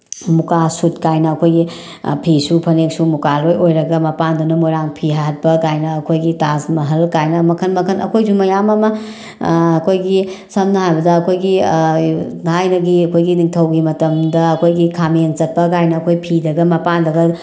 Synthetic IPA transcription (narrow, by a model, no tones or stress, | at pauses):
mukasutkajnɐːkʰojɡi | pʰisupʰɐneksumukalojojɾɐɡɐmɐpandunɐmojɾaŋpʰiɦaɦɐt̚pɐkajnɐːkʰojɡitazmɐɦɐlkajnɐmɐkʰɐnmɐkʰɐnɐ̰kʰojs̬umɐjamɐmɐː | kʰojɡisɐmnɐhajbɐdɐːkʰojɡi | hajnɐɡiɐkʰojɡiniŋtʰɐwɡimɐtɐmdɐɐkʰojɡikʰament͡ʃɐt̚pɐkajnɐːkʰojpʰidɐɡɐmɐpandɐɡɐ